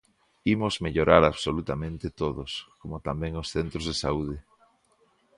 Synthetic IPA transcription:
imozmeʎoɾaɾaβsolut̪amẽnt̪et̪oðoskomot̪ambɛ̃ŋosθent̪ɾozðesauðɪ

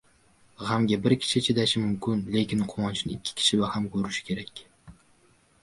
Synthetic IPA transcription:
ʁamɡʲabɪɾkʲʰi̥ʃɪt͡ʃʰed̪aʃɪmʊmkʲʰʊnlekʲɪnqʰowɒnt͡ʃʰinɪɪkʲʰːi̥kʲʰi̥ʃibahamkʰʲɵɾyʃɪ̥kʲʰe̞ɾɛkʲ

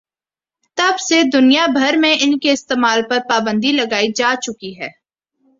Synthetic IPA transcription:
t̪ɐbsed̪ʊnijabʱɐɾmẽɪnkeɪst̪eːmaːlpɐɾpaːbə̃nd̪ilɐɡaːid͡ʒaːt͡ʃʊkiɦɛː

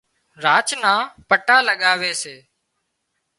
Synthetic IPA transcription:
ɾaːt͡ʃnãːpəʈaːləɠaːʋeːseː

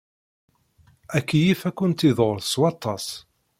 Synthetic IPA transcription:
ækːijifækːʊnt̪iðˤoɾˤθswɑt̪ˤːɑs

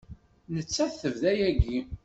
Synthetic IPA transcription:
nət͡sːæθθəvðæjæɡi

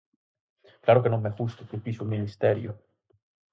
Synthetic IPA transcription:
kjaːɾokenːomːɛfust̪ok̪upiːsulminist̪ɛːɾjo

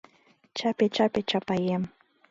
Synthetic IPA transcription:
t͡ʃapet͡ʃapet͡ʃapajem

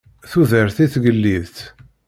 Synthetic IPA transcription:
θuðəɾθiθɡəlːiðθ

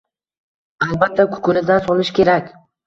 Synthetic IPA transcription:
alˠbat̪ʰːakʰʊ̥kʰʊnɪd̪ansɒlˠɪʃkʲʰe̞ɾakʲ

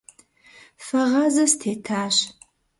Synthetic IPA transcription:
fɐʁɐzɐstʰeːtʰaːɕ

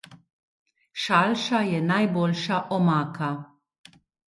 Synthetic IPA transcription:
ʃɐlʃɐjɛnɐjbɔlʃɐʔɔmɐːkʰɐ

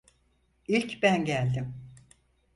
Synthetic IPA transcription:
ilʲcbænɟælʲd̪ɪm

